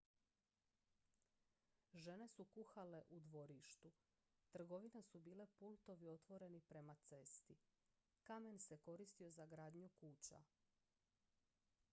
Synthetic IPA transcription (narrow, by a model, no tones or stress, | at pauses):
ʒe̞ne̞sukuxale̞ʔud̪ʋo̞ɾiʃt̪u | t̪r̩ɡo̞ʋinesubiːle̞pult̪o̞ʋio̞t̪ʋo̞ɾe̞nipɾe̞mat̪se̞st̪i | kame̞nse̞ko̞ɾist̪io̞zaɡɾaːd̪ɲukuːt͡ɕa̰